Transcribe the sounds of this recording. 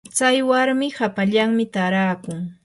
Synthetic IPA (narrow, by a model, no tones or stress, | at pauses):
t͡sajwaɾmɪhapaʎaŋmɪt̪aɾaːkʊŋ